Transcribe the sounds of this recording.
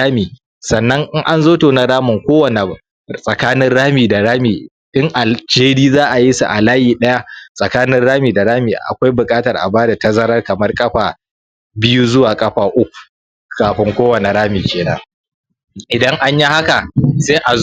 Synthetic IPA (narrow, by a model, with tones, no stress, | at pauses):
aː˦miː˨ | sɐ˨nːɐ˦ŋʔɪ˦ŋʔa˦nzoː˦toː˨na˨ɾaː˦mʊ˨ŋkʷoː˦wɐ˨ne˨ | sʼɐ˨kaː˦nɪ˦nɽaː˦miː˨da˨ɽaː˦miː˨ | ʔɪ˦ŋʔa˨ld͡ʒeː˦ɽiː˦zaː˦ʔa˨ji˦sṵ˨ʔa̰˨laː˦jiː˨ɗɐ˦ja˦sʼɐ˨kaː˦nɪ˦nɽaː˦miː˨da˨ɽaː˦miː˨ʔa̰˨kʷa˦jbʊ˨kʼaː˦tɐ˨rʔa̰˨baː˦da˨tɐ˦zɐ˦ɾɐ˦rkɐ˨mɐ˦rkʼɐ˦ɸaː˨ | bɪ˦ju˦zʊ˦waː˨kʼɐ˦ɸaː˨ʔʊ˦kʷu̥˨ | kaː˨ɸɪ˦ŋkʷoː˦wɐ˨ne˨ɽaː˦miː˨kʲeː˨na̰ː˦ | ʔɪ˨dɐ˦ŋʔa˦ɲji˦ha˦ka˨se˦ʔa˨